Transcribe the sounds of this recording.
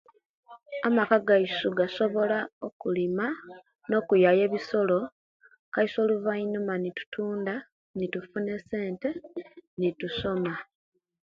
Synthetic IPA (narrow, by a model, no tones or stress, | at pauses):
amakaɡaisuɡaso̞βo̞lao̞kulima | no̞ːkujaje̞βiso̞lo̞ | kaiso̞ːluvainumanitu̥tʰuːnda | nitufune̞se̞ːnte̞nituso̞ma